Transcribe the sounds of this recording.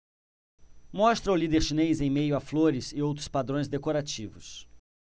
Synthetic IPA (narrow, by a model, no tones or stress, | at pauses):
mɔst̪ɾɐwlid̪eɾʃinejzẽj̃mejʊafloɾɪzɪowt̪ɾʊ̥spad̪ɾõj̃zd̪ekoɾat͡ʃivʊs